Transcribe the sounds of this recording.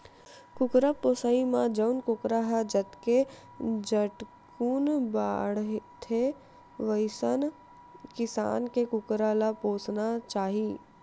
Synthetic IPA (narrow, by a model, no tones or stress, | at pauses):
kʊkɾapoːsaimãd͡ʒəʊnkʊkɾaɦad͡ʒɐt̪ke | d͡ʒəʈ | kuːnba̰ːɽt̪ʰe | ʋəɪsən | kɪsa̰ːnkekʊkɾalapoːsnat͡ʃaːɦiː